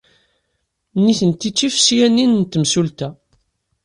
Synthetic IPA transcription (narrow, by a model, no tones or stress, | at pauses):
niθənt̪ːit͡sːifsjænːinnt̪ːəmsult̪æ